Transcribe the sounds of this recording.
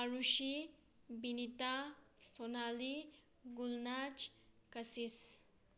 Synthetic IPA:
aɾuʃi | binit̪a | sonali | ɡulnat͡ʃ | kɐsis

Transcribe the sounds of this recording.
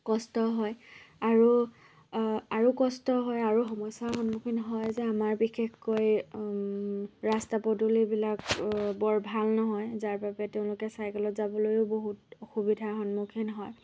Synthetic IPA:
kɔstɔɦɔjaɹu | aɹukɔstɔɦɔjaɹuxɔmɔjsaxɔnmukʰinɦɔjzɛamaɹbixexkoj | ɹastapɔdulibilakbɔɹbʱalnɔɦɔjzaɹpapɛteʊ̃lʊkɛsajkɛlɔtzabɔlojʊboɦutɔxubidʱaxɔnmukʰinɦɔj

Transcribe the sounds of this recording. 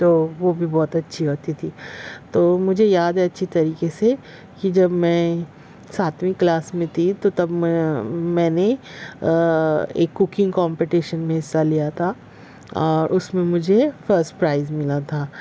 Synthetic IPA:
t̪oːʋoːbʱibɔːt̪ɐtːʃʰiɦoːt̪it̪ʰiːt̪oːmʊd͡ʒʱejaːd̪ɛɐtːʃʰit̪ɐɾiːkese | kid͡ʒɐbmɛ̃ː | saːt̪wĩklaːsmẽt̪ʰit̪ot̪ɐb | mɛ̃ːne | ḛːkːʊkɪ̃ŋɡkɔ̃ːmpiʈiːʃənmẽɦɪsːalijat̪ʰa | ɔːɾʔʊsmẽmʊd͡ʒʱefəɾsʈpɾaːɪzmɪlat̪ʰaː

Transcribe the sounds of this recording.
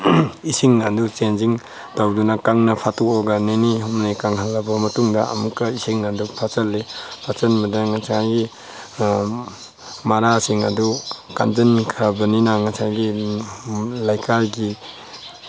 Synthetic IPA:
isiŋnadut͡ʃenziŋ | tawdunakaŋnɐpʰatuɔɡaneniɦɔmnijkaŋɦalːɐbɐmɐtuŋdɐa̰mukːɐisiŋnadupʰat͡ʃɐlːepʰat͡ʃɐnmɐdaŋasʰajɡi | maɾasiŋa̰duka̰nzɐnkʰɾabɐninaŋasajɡi | lajkʰaɾɡi

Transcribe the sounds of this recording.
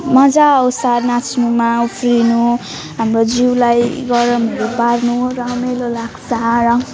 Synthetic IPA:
mʌd͡zaʌwsanat͡sʰnumaupʰɾinu | ɦamrod͡ziwlajɡʌɾʌmʌɾobarnurʌmelolaksaɾʌŋ

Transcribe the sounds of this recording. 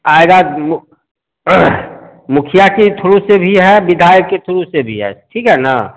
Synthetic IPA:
aːjɡam | mʊkʰijakit̪ʰʊɾusebʱiɦɛbɪd̪ʱaːjəkket̪ʰʊɾusebʱḭɦɛ̰ʈʰiːkɦɛna̰

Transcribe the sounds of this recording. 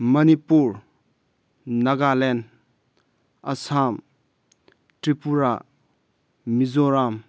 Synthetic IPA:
mɐnipuɹ | nɐɡalen | ɐsam | tɾipuɾa | mizoɾam

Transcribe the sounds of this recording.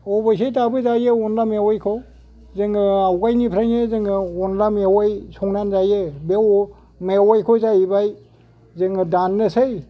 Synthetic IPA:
ɔbajs̬ʰejtabɯzajeɔnlamewajkʰɔ | zɯŋɯawɡajnipʰɾaŋezɯŋɯɔnlamewajsʰɔŋnanzajebew | mewajkʰɔzajbaj | zɯŋdanːɯsaj

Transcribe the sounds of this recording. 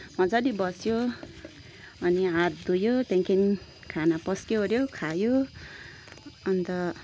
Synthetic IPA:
mʌ̃d͡zadibʌsjo | ʌniãt̪̚d̪ujot̪eŋkʰin | kʰanapʌskeɦoɾjokʰajo | ʌnt̪ʌ

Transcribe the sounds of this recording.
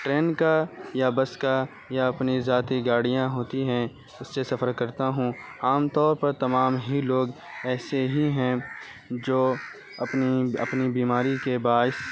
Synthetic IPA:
ʈɾeːnkajabɐska | jaɐpnizaːt̪iɡaːɽijãɦoːt̪iɦɛ̃ | ʊsːesɐfʰəɾkɐɾt̪aɦũaːmt̪ɔːɾpɐɾt̪ɐmaːmɦiloːɡɛːseɦiɦɛ̃ | d͡ʒoː | ɐpniɐ̰pnibiːmaːɾikebaːɪs

